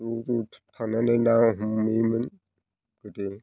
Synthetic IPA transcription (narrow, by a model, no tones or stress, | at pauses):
uɾutʰanananaŋɦumːimən | ɡəte